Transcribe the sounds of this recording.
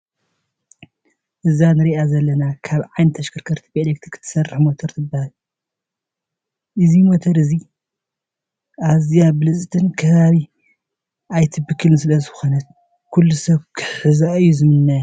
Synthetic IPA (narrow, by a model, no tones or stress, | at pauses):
ʔɨzanɨɾiʔazɐlːɐnakʰaβʕajnɨt̪ʰɐʃkʰɨɾkʰɐɾt̪ʰi̥belek̚t̪ʰɾkʰɨ̥t̪ʰːɐ̥sɐrħmot̪ʰɐɾt̪ʰɨbːahal | ʔɨzimot̪ʰɐɾɨzi | ʔazijabɨlɨsʼt̪ʰʼɨnkʰɐβaβi | ajt̪ʰɨbɨkʰːɨlnɨsɨlɐzɨxonɐt̪̚ | kʰulːusɐβkʰɨħɨzaʔɨjːuzɨmɨnːaja